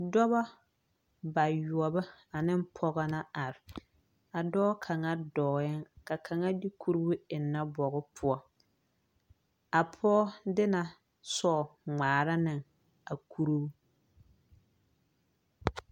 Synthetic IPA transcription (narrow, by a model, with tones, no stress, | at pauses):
dɔ˦ba˦ | ba˨jʊ˨ɔ˨ba˦a˨nɪ˦mpʰɔ˦ɣa˦na˦a˨ɾɪ˨ | a˨dɔː˦kʰa˨ŋa˦dɔː˨ɪ˦ŋka˨kʰa˨ŋa˦di˦kʰu˦ɾu˦bu˦ɪ˨nːa˦bɔ˨ɣɔ˦pʰʊ˦ɔ˦ | a˨pʰɔː˦dɪ˦na˨ | sɔ˦˨ŋ͡maː˨ɾa˦nɪ˨ŋ | a˨kʰu˦ɾu˦bu˦